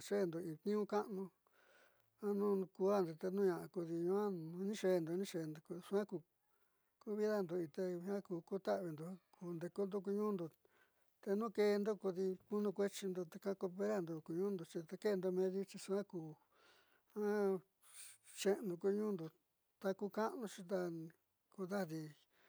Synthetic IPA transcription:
ʂe˦˨nd̪o˨i˨t̪nĩ˦ũ˦ka˦ʔnũ˧ | ã˦nũ˦˧ku˧˦a˦nd̪o˧t̪e˧nũ˦ɲã˧˨ʔku˧ði˧ɲũ˧ã˦˧nĩ˦ʂe˧˨nd̪o˨˧nĩ˦ʂe˧˨nd̪o˧ku˧su˧ã˦ku˧ | ku˦βi˦ða˦nd̪o˧i˧t̪e˧hã˦kuː˧ku˦t̪a˦ʔβi˧nd̪o˧˦kʰu˧nd̪e˧ko˧˦nd̪u˦k̬u˧ɲũː˦nd̪o˧ | t̪e˧nũ˦ke˧nd̪o˦ku˧ði˧ku˦nũ˧kʷe˦t͡ʃi˧nd̪o˧t̪e˧kã˧˦ko˧pe˦ɾa˦˨nd̪o˧ku˧ɲũː˦nd̪o˧t͡ʃi˧t̪e˧ke˦˧nd̪o˧mẽ˧ðu˦t͡ʃi˧su˧ã˦kuː˨˧ | hã˦ | t͡ʃe˦˧nũ˧ku˧ɲũː˦nd̪o˨ | t̪a˧ku˧ka˦ʔnũ˧t͡ʃĩ˧t̪a˧ | ku˧d̪a˦ði˧

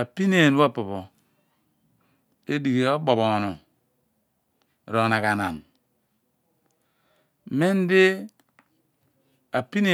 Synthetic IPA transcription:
a˨pi˦ne˨n˦wa˦˨po˨βo˨ | e˦di˨ɡe˨o˦bo˨bo˨nu˨ | ɾo˨na˨ka˨na˨n˨ | me˦n˦de˦ | a˨pi˦ne˨

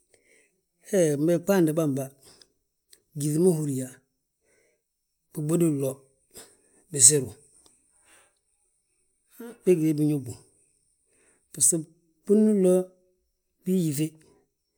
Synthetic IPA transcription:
e˦˨m˨be˦˨k͡pa˦ndi˨ba˦˨m˨ba˦ | ɡi˨ði˨˦ma˦hu˨ɾi˨ja˨ | b̥i˨ɡ͡bo˦di˦˨lo˦ | bi˨s̬e˦ɾu˨ | be˦ɡde˦bi˨ɲu˦bu˨ | b̥i˨si˦ | pu˦nu˦lo˦ | bi˦ji˨ve˦

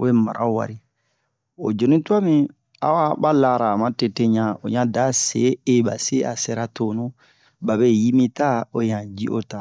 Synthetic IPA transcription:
e˦ma˨ɾʔa˦u˨wa̰˨ɾi˦ | o̰˨d͡ʒo˨nĩ˦tu˦a˦mĩ˦ | a̰˦wa˦ba˦la˦ɾaː˨mã˦te˨te˦ɲã˨o̰˨ɲã˦da˦sḛ˨˦e˦ba̰˨se˦ʔa̰˨se˦ɾa˦to˦nũ˦ | ba˨be˦ji˦mĩ˦ta˦o˨jã˨d͡ʒi˦ʔo̰˦ta˨

